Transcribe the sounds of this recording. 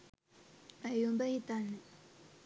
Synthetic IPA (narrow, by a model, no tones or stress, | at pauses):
ajonpajit̪ane